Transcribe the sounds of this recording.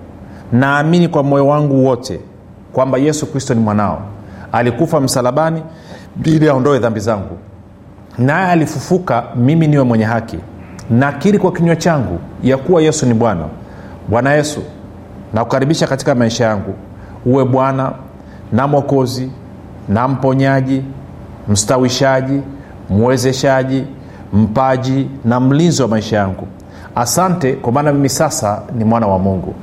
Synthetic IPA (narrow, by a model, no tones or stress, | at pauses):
naːminikwamɔjɔwaŋɡuwɔtʰɛ | kwambajɛsukɾistɔnimwanaɔ̰alikufam̩salaɓani | ɓiliaɔndɔɛðambizaŋɡu | najɛalifufukamiminiwɛmwɛɲɛɦakḭnakiɾikwakiɲwɛt͡ʃaŋɡṵjakuwajɛsuniɓwana̰ | ɓwanajɛsṵ | nakukaɾiɓiʃakati̥kamaiʃajaŋɡu | uwɛɓwana | namɔkɔzi | nam̩pɔɲaʄi | m̩stawiʃaʄi | muwɛzɛʃaʄi | m̩paʄinam̩linziwamaiʃajaŋɡu | asantɛkwamaːnamimisasanimwanawamuŋɡṵ